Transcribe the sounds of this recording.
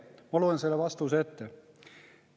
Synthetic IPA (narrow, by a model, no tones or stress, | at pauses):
mɑoluenselːeʋɑst̪uset̪ːe